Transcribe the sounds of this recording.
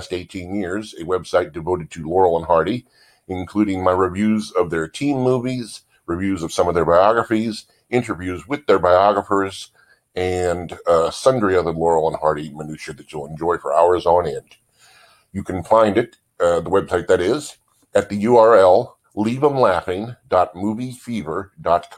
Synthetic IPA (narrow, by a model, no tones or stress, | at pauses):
steɪtʰĩnjɪɹzɨwɛb̥saɪt̚d̥ɨvoʊɾɨd̚tʰɨlɔɹl̩ˠə̃nɦɑɹɾi | ɨ̃nkʰl̥ʉɾɪ̃ŋmaɪɹɨvjʉzʌvðə˞tʰĩmːuviz | ɹɨvjʉzʌv̥sʌ̃mʌvðə˞baɪɑɡɹəfiz | ɪ̃ntə˞vjʉzwɨðə˞baɪɑɡɹəfə˞z | ɨ̃nsʌ̃ndɹiʌvðəlɔɹl̩ˠə̃nhɑɹɾimənʉʃə˞ðɨt͡ʃəlˠə̃nd͡ʒɔɪfə̰˞aʊə˞zn̩ɛ̃nd̥ | jɨkʰn̩fãɪ̃ndɨɾ | ðəwɛb̥saɪt̪̚ðɨɾɪz | ɨt̪̚ðɨjʉɑɹɛlˠ | livə̃mlæfɪ̃ŋdɑt̚muvifivə˞dɑt̚kʰ